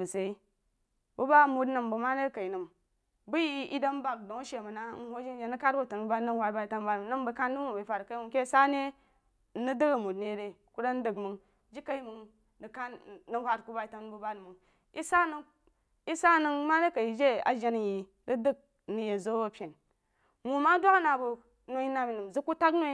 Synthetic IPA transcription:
bɨ˨se˨i˦ | bu˦ba˦˨mu˧tnɨ˨mbu˨ma˦ne˦ka˨i˨nɨ˨m | bu˦ji˦ḭ˦də˦m˦ba˨k̚do˨ŋ˦ʃe˨mu˨na˦n̩˦hʷo˦d͡ʒi˦n˦d͡ʒe˧nɨ˦ka˦t̚ɡo˦˨tə˨n˨˦ba˦nɨ˦hʷa˨˦ba˧i˨ta˧˦ba˦˨nɨ˦ŋbə˨˦ka˦n˦dɨ˦mu˦˨bə˨fa˨ɾka˦mu˦ŋke˦˨˦sa˦ne˦ | nɨ˦dɨ˦ɡa˨mu˨tne˨˦ɾe˨ku˦ɾa˦n˦dɨ˦˨kmɨ˨ŋ | d͡ʒi˦ka˦i˦mɨ˧ŋ | nɨ˨ka˦nːɨ˧hʷa˧t̚ku˧˦ba˧i˨ta˧nbɨ˨˧ba˦dmɨ˨ŋ | i˦sa˦nɨ˧ŋ | i˦sa˦nɨ˧ŋma˦ne˦ka˨i˨d͡ʒe˦a̰˨d͡ʒe˧n˨ji˨ | dɨ˦dɨ˦k̚ | nɨ˨je˨zo˦o˨pʲe˨n | ŋu˨ma˦dʷa˦ka˦na˨bu˧ | no˨˦i˦na˧mi˨nɨ˨m˨zɨ˦kːu˦ta˦kno˦

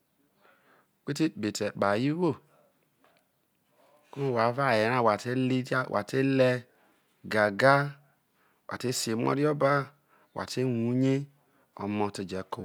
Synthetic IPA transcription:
k͡pe˦te˦˨be˨te˨k͡pa˨ji˦wo˦˨ | ku˦˨wa˨˦va˦˨je˨˦ɾa˦˨wa˨te˦li˦wʔa̰˨te˦lɛ˦ | ɡa˨ɡa˦ | wʔa̰˨te˦si˨e˨m˦ɔ̰˦ɾi˦ɔ˦ba˦ | wʔa̰˨te˦wu˨˦ɲe˦ | ɔ̰˨mɔ̃˨te˨d͡ʒɛ˨ko˨

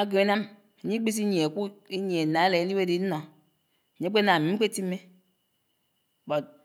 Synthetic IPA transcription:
a˦ɡe˨e˦na˦m | e˨ɲi˦k͡pi˦s̬i˦ɲi˨e˨ku˦i˦ɲ˨e˨na˨e˦le˨˦ni˦we˦di˨˦n̩˦nɔ˨ | ɲi˦k͡pe˦na˨mi˨˦ke˦ti˦mːe˦˨ | bɔ˨t̚

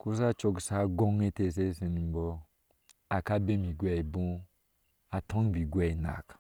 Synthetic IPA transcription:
ku˦s̬a˦t͡ʃo˧ɡsa˦ɡo˦ŋe˦te˦˨s̬e˦se˨ni˨m˨bɔ˦ | a˨ka˦be˦mi˨ɡʷɛ˦i˨bõ˦ | a˨tʰɔ̃˦ŋ˦˨bi˨ɡʷɛ˦i˨na̰˨k

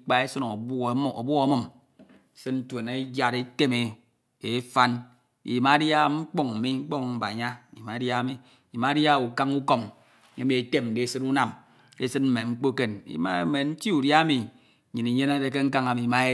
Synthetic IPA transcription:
k͡pa˦e˦sɨ˦no˨bo̰˨bu˦ɣo˦mɨ˦˨m˨ | sɨ˦nn̩˦twe˨ne˦d͡ʒja˨ɾe˦te˦me˨ | e˦fa˦n | ḭ˨ma˨˦dja˦ŋ͡m̩˦k͡po˦˨ŋ̩˨mi˦ŋ͡m̩˦k͡po˦ŋ˨m̩˨ba̰˨ɲa˦i˨ma˨˦dja˦mi˨ | ma˦dja˦˨u˨ka˦ŋu˦ko˨m˦ | e˨˦mi˨e˨te˦mn̩˨de˨˦˨sɨ˦tu˦na˨m | e˦sɨ˦tm̩˦me˨ŋ͡m̩˦k͡po˦ke˦nḭ˨˦ma̰˦me˨n̩˦ti˦u˨dja˦mi˨ | ɲi˨ni˨ɲe˦na˦de˨ke˦ŋ̩˦ka˦ŋa˨mi˨ma˦e˦

